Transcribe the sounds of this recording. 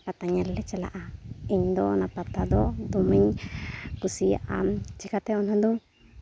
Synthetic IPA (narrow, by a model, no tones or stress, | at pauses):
pat̪aɲelːet͡ʃela̰ʔaiɲd̪onapat̪ad̪od̪umiɲkusia̰ʔa̰t͡ʃikat̪eonãd̪u